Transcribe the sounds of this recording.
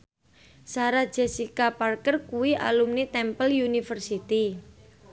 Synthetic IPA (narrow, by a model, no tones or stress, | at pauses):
saɾḁd͡ʒɛsikaparkərkuwiʔa̰lumnit̪ɛmpəljunifərsit̪i